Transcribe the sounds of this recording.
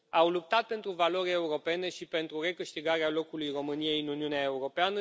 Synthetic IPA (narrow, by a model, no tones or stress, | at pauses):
awlup̚t̪at̪̚pe̞nt̪ɾuvalo̞ɾʲeuɾo̞pe̞ne̞ʃipe̞nt̪ɾure̞kɨʃt̪iɡaɾealo̞kulujro̞mɨnije̞jɨnuniuneae̞uɾo̞peanə